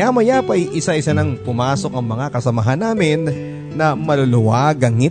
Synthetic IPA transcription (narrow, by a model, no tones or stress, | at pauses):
amɐjapɐjʔɪsaʔɪsanɐŋpʊmaːso̞k̚ɐŋmɐŋakɐsɐmɐɦanːaːmɪnː | ɐmɐlolʊwaɡɐŋɪ